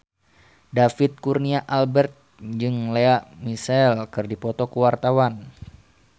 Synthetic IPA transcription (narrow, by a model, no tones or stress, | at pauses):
dafit̪̚kurniaʔalbɛrt̪̚d͡ʒɨŋleaʔmisɛlkɨrdipɔt̪ɔkəwart̪awan